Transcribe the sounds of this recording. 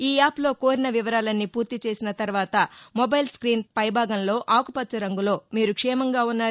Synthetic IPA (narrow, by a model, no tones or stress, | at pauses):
iːaːplo̞ːko̞ːɾinɐʋiʋɐɾaːlɐnːipuːɾt̪it͡ʃe̞ːsinɐt̪ɐɾʋaːt̪ɐmobɐjlskɾiːnpɐjbʱaːɡɐnlo̞ːʔaːkupɐtːt͡ʃɐɾɐŋɡulo̞ːmiːɾukʂɛːmɐŋɡaːunːaː